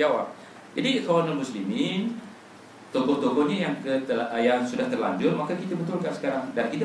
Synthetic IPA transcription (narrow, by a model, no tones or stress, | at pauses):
d͡ʒawap̚ | d͡ʒadikawananmuslimin | t̪okɔht̪okɔʔɲãjaŋkəəjaŋsudaht̪ərla̰ɲd͡ʒʊrmakakit̪abət̪ʊlkaʔsə̥kaɾaŋdankit̪